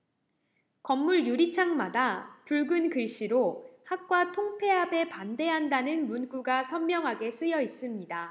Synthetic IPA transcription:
kʌmːuɭjuɾit͡ɕʰaŋmadapuɭɡɯnkɯɭɕ͈iɾohak̚k͈watʰoŋpʰe̞ɦabe̞pande̞ɦandanɯnmunɡuɡasʰʌnmjʌŋɦaɡe̞s͈ɯjʌis͈ɯmɲida

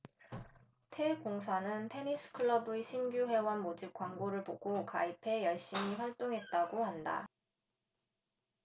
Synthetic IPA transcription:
tʰe̞koŋs̬ʰanɯntʰe̞nis͈ʰɯ̥kʰɯɭʌbɯeɕʰinɡjuɦwe̞wanmod͡ʑip̚k͈waŋɡoɾɯɭpoɡ̥oka̰ipʰe̞jʌɭɕ͈imiɸwaɭt͈oŋɦe̞t̚t͈aɡohanda̰

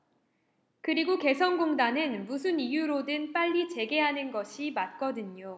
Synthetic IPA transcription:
kɯɾiɡoke̞sʰʌnɡoŋdanɯnmusʰɯnijuɾodɯnp͈aʎːit͡ɕe̞ɡe̞ɦanɯnɡʌɕʰimat̚k͈ʌdɯɲo

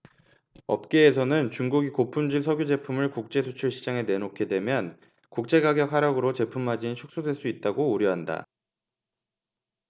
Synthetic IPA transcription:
ʌp̚k͈e̞ːsʰʌnɯnt͡ɕuŋɡuɡikopʰumd͡ʑiɭsʰʌɡjud͡ʑe̞pʰumɯɭkuk̚t͡ɕ͈e̞sʰot͡ɕʰuɭɕʰid͡ʑaŋe̞ne̞nokʰedwe̞mjʌn | kuk̚t͡ɕ͈e̞ɡaɡjʌk̚haɾaɡɯɾot͡ɕe̞pʰumad͡ʑinit͡ɕʰuk̚s͈odwe̞ɭs͈uit̚t͈aɡouɾjʌɦanda̰

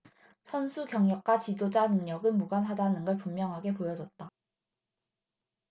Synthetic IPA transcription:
sʰʌnsʰukjʌŋɲʌk̚k͈wat͡ɕidod͡ʑanɯŋɲʌɡɯmuɡanɦadanɯnɡʌɭpumːjʌŋɦaɡe̞pojʌd͡ʑʌt̚t͈a

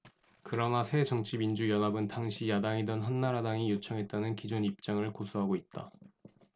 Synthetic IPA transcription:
kɯɾʌnasʰe̞d͡ʑʌŋt͡ɕʰibind͡ʑujʌnabɯntaŋɕʰijadaŋidʌnɦʌnːaɾadaŋijot͡ɕʰʌŋɦe̞t̚t͈anɯnkid͡ʑonip̚t͡ɕ͈aŋɯɭkosʰuɦaɡoit̚t͈a

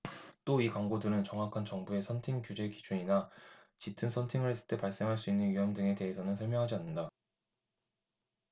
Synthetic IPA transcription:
t͈oikaŋɡodɯɾɯnt͡ɕʌŋɦakʰant͡ɕʌŋbue̞sʰʌntʰiŋkjud͡ʑe̞kid͡ʑuɲinat͡ɕitʰɯnsʰʌntʰiŋɯɭɦes͈ɯ̥ɭt͈e̞paɭs͈e̞ŋɦaɭs̬͈uinːɯnjujʌmdɯŋe̞te̞ɦesʰʌnɯnsʰʌɭmjʌŋɦad͡ʑianːɯnda

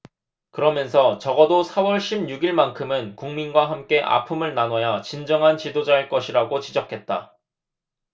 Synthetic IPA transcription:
kɯɾʌmjʌns̬ʰʌt͡ɕʌɡʌdosʰawʌɭɕʰibɲuɡiɭmankʰɯmɯnkuŋminɡwaɦamk͈e̞ʔa̰pʰɯmɯɭnanwʌjat͡ɕind͡ʑʌŋɦant͡ɕidod͡ʑaeɭk͈ʌɕʰiɾaɡot͡ɕid͡ʑʌkʰe̞t̚t͈a

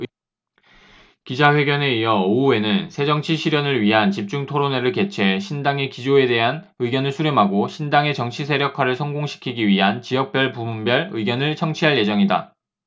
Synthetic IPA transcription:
kid͡ʑaɸwe̞ɡjʌne̞ijʌoue̞nɯnsʰe̞d͡ʑʌŋt͡ɕʰiɕʰiɾjʌnɯɭɥiɦant͡ɕip̚t͡ɕ͈uŋtʰoɾone̞ɾɯɭke̞t͡ɕʰe̞ɕʰindaŋe̞kid͡ʑoe̞de̞ɦan | ɯiɡjʌnɯɭsʰuɾjomɦaɡoɕʰindaŋe̞t͡ɕʌŋt͡ɕʰisʰe̞ɾjʌkʰwaɾɯɭsʰʌŋɡoŋɕʰi̥kʰiɡiɥiɦant͡ɕijʌk̚p͈jʌɭpumumbjʌɭɯiɡjʌnɯɭt͡ɕʰʌŋt͡ɕʰiɦaɭje̞d͡ʑʌŋida̰

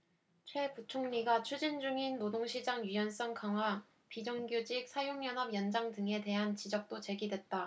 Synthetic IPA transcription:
t͡ɕʰwe̞put͡ɕʰoŋɲiɡat͡ɕʰud͡ʑind͡ʑuŋinːodoŋɕʰid͡ʑaŋjijʌns͈ʌŋkʰaŋɦwa | pid͡ʑʌŋɡjud͡ʑik̚sʰajoŋjʌnɦʌbjʌnd͡ʑaŋdɯŋe̞de̞ɦant͡ɕid͡ʑʌk̚t͈ot͡ɕe̞ɡidwe̞t̚t͈a

